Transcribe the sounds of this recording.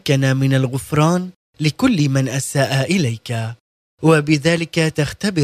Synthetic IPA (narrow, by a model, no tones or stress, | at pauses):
kːanamɪnalɣʊfɾˤɑːn | lɪkʊlːmanʔasaːʔaʔɪlajka | wabɪðaːlɪkat̪axt̪abɪ